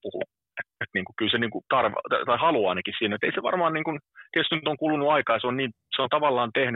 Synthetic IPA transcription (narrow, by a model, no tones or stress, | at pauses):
puhṵ | et̪et̪niːŋkukylseniːŋkut̪ɑrʋt̪ɑt̪ɑihɑluɑ̰ːnekissiːnæeot̪eiseʋɑ̰rmɑːnniːŋkunesenyt̪oŋkulunuɑikɑːjɑseonniː | seont̪ɑʋɑlːɑːnt̪ehny